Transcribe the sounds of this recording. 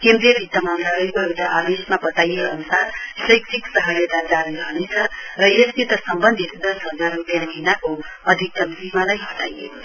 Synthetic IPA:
kend̪ɾijʌbʱit̪ːamãnd̪ɾaɾəjkojewt̪aʔad̪esmabʌt̪ajeʌnusaɾsʌjksiksʌɦʌɾet̪ad͡zaɾiɾʌɦnet͡sʰʌrʌjesnit̪ʌsʌmbənd̪ʱit̪d̪ʌsɦʌd͡zaɾupjãkinako | ʌd̪ʱik̚t̪ʌnt̪ɾimalajbʌt̪a̰jḛ

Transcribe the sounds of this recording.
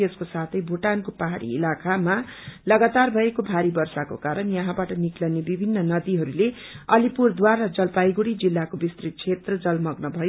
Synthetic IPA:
eskosat̪ʰʌjbʱoʈankopaɦaɽḭːlakʰamalʌɡat̪arbʱʌekobʱaɾibʌrsako̰kaɾʌnjʌɦãbaʈʌniklʌwnebibʱinːʌnʌd̪iɦʌɾuleʌlipurd̪waɾʌd͡zʌlpajɡuɽid͡zilːakobist̪rit̪̚t͡sʰet̪rʌd͡zʌlmʌɡnʌbʱʌjo

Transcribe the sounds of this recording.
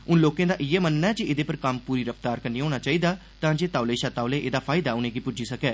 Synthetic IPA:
ʊnloːkẽːd̪aːʔɪɛːmənnɛːd͡ʒiʔɪd̪eːpəɾkəmpuːɾiːɾəft̪aːɾkəɾniːɦoːñaːt͡ʃaːiːd̪aː | t̪ãːd͡ʒeːt̪aːʊleːʃaːt̪aːʊleːʔeːd̪aːpʰaːɪd̪aːʊnẽːɡiːpʊd͡ʒiːsəkɛː

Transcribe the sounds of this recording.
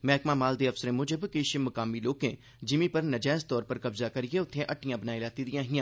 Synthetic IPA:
mɛːkmãːmaːld̪eːəfsəɾẽːmʊd͡ʒəbkɪʃmʊkaːmiːloːkḛ̃ː | d͡ʒɪmipəɾnəd͡ʒaːzt̪ɔːɾpəɾkəbzaːkəɾɪjeːʊt̪ʰːẽːʔəʈʰːɪjãːbənaːilaːt̪iːd̪ɪjãːɦɪjãː

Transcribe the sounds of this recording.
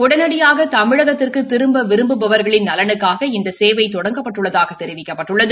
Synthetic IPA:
ʊɽɐnɐɽɪjaːɣɐt̪ɐmɪɻɐɣɐt̪ːɪrkɯt̪ːɪɾɯmbɐʋɪɾɯmbɯpɐʋɐɾɣɐɭɪnnɐlɐnɯkːaːɣɐɪnd̪ɐseːʋɐɪt̪ɔɽɐŋɡɐpːɐʈːɯɭːɐðaːɣɐt̪ɛɾɪʋɪkːɐpːɐʈːɯɭːɐðɯ

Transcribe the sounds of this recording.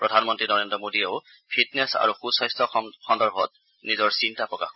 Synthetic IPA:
pɹɔdʱanmɔntɹinɔɹendɹɔmodieʊ | pʰitnesa̰ɹuxusajstɔxɔndɔɹbʱɔ̰t̚ | nizɔɹsintapɹɔka̰x

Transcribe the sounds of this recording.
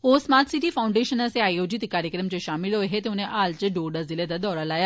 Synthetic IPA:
oːsmaːt̪siʈiːpʰaːʊ̃ɳɖeːʃənaseaːioːd͡ʒit̪kaːɾjəkɾəmt͡ʃeʃaːmɪlɦoːeɦet̪eʊnẽʔaːlt͡ʃəɖoːɖazɪled̪aːd̪ɔːɾaːlaːjaː

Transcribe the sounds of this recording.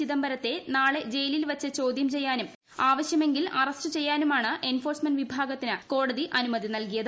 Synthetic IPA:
iðɐmbɐɾɐt̪ːe̞naːɭe̞d͡ʑe̞jlilʋɐt͡ɕːɨt͡ɕo̞ːd̪jɐmt͡ɕe̞jːaːnum | aːʋɐɕjɐmeŋɡilɐrɐsʈɨt͡ɕe̞jːaːnumaːɳɨʔe̞nfo̞ːrsmɐnʋibʱaːɡɐt̪ːinɨko̞ːɽɐðiʔɐnumɐðinɐlkijɐðɨ

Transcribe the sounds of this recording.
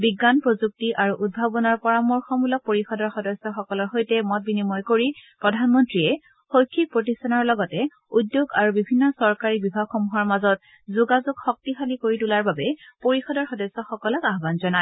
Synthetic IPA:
biɡanpɹozuk̚tiʔaɹuʔud̚bʱabɔnɔɹpɔɹamɔɹxɔmulɔk̚poɹixɔdɔɹxɔdɔsːɔxɔkɔlɔɹxojtɛmɔt̚binimɔjkoɹipɹɔdʱanmɔntɹiɛ | xojkʰːik̚pɹotistɔnɔɹlɔɡɔtɛ | udːjoɡaɹubibʱinːɔsɔɹkaɹibibʱaɡxɔmuɦɔɹmazɔt̚ | zuɡazuɡxɔk̚tixalikoɹitulaɹbabɛpoɹixɔdɔɹxɔdɔsɔxɔkɔlɔkaɦbanzɔna

